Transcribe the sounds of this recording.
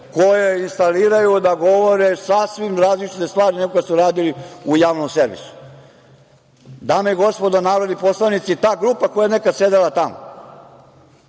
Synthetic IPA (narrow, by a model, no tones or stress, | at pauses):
kojeinst̪aliːɾajud̪aɡo̞ʋoɾesasʋimɾaːzlit͡ʃi̥t̪est̪ʋaːɾineɡokasuɾaːd̪iliujaːʋnomseɾʋḭsu̥ | d̪aːmeiɡo̞spo̞d̪anaːʋɾod̪nipo̞slˠaʋnit̪sit̪aːɡɾuːpako̞jajenekad̪se̞d̪elat̪amo